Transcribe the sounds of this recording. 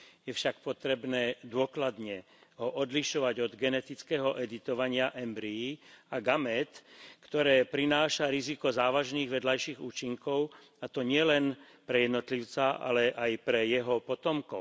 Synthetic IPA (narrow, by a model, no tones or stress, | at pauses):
jɛfʃakpɔt̪ɾɛbnɛːd̪ʊɔklad̪ɲɛ | ɦɔʔɔd̪liʃɔʋaɟɔd̪ɡɛnɛt̪it͡skɛɦɔʔɛd̪it̪ɔʋaɲɪaʔɛmbɾiiaɡamɛt̪kt̪ɔɾɛːpɾinaːʃaɾizikɔzaːʋaʒniːɣʋɛd̪lajʃiɣuːt͡ʃiŋkɔʊ | at̪ɔɲɪɛlɛn | pɾɛjɛd̪nɔt̪liʊt͡saʔa̰lɛʔajpɾɛjɛɦɔpɔt̪ɔmkɔ